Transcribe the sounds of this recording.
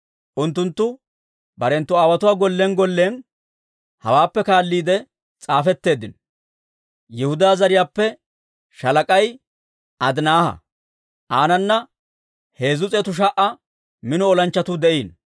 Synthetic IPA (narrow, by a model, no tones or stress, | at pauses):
ʔʊnt̪ːʊnt̪ːʊ | bɐɾɛnt̪ːʊaːwɐt̪ʊwaːɡɔlːenɡɔlːeːn | hɐ̰waːpːɛkaːlːiːd̪ɛ | t͡sʼaːfɛt̪ːe̞ːd̪ɪn | jɛhʊd̪aːzɐɾɪjaːpːɛ | ʃɐlɐkʼɐj | ʔɐd̪naːhɐ̰ | ʔaːnɐnːɐ | he̞ːzʊt͡sʼɛːt̪ʊʃ̬ɐʔɐ | mɪnɔɔlɐnt͡ʃːɐt̪ʊd̪ɛʔiːn